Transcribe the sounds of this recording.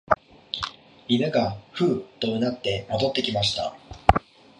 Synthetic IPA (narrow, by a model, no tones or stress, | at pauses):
inaɡaɸɯ̟ːt̪oɯnat̪ːe̞mod̪o̞t̪ːe̞kʲimaɕi̥t̪a̰